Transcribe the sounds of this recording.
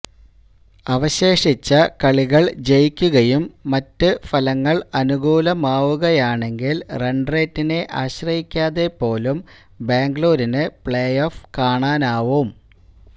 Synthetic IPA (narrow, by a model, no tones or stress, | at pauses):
ɐʋɐɕe̞ːʂit͡ɕːɐkɐɭiɣɐɭd͡ʑe̞jkʲːuɣɐjumːɐtːɨfɐlɐŋːɐɭɐnuɣuːlɐmaːʋuɣɐjaːɳe̞ŋɡilreɳɖre̞ːtːine̞ʔaːɕrɐjikʲːaːðe̞pːo̞ːlum | beːŋɡɭoːɾinɨpɭeːjoːfkaːɳaːnaːʋum